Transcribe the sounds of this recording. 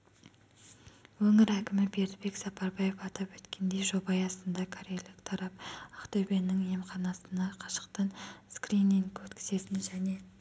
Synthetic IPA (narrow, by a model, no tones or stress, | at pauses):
wɵŋɪɾækʲɪmɪbe̞ɾd̪ɪbe̞ksɑpɑɾbɑje̞fɑt̪ɑpwɵt̪kʲe̞nd̪e̞jʒo̞bɑjɑst̪ənd̪ɑkʰoɾʲejlɪkt̪ʰɑɾɑp̚ɑqt̪ʰɵbe̞nɪŋemχɑnɑsənɑqʰɑ̥ʃə̥qt̪ənskriniŋʰɵt̪kʲʰɪ̥z̥e̞t̪ɪnʒæne̞